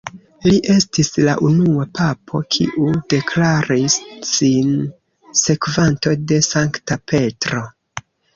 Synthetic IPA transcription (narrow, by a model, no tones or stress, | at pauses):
liʔe̞stislaʔunuapapʰo̞kʰḭʔude̞kʰlaɾisːin | se̞kvanto̞de̞saŋktape̞tɾo̞